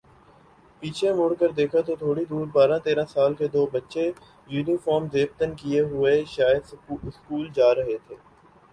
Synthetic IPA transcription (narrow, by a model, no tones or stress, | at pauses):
piːt͡ʃʰemʊːɽkəɾd̪eːkʰat̪oːt̪ʰoːɽid̪uːɾbaːɾãːt̪eːɾãːsaːlked̪oːbətːʃe | juːnifɔːɾmzeːbt̪ənkɪeɦʊeʃaːjəd̪sɪskuːld͡ʒaːɾəɦet̪ʰeː